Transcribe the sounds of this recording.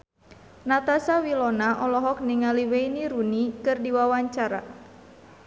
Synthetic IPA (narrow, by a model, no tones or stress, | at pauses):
nat̪asawilɔnaʔɔlɔɦɔk̚niŋaliweiniɾunikɨrdiwawaɲt͡ʃaɾa̰